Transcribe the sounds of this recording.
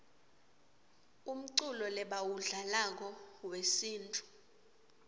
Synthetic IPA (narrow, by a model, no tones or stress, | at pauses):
um̩ǀulɔlɛɓawuɮalak̬ɔwesiːntʼu̥